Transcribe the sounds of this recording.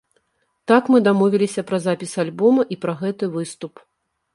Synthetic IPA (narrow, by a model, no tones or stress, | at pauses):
t̪akmɨd̪amɔvʲilʲisʲɐpɾɐzapʲisalʲbɔmɐʔipɾɐɣɛt̪ɨvɨst̪up